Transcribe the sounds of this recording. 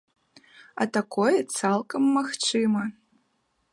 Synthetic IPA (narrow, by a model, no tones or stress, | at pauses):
ɐ̰t̪akɔjɛt̪salˠkɐmːaxt͡ʂɨmɐ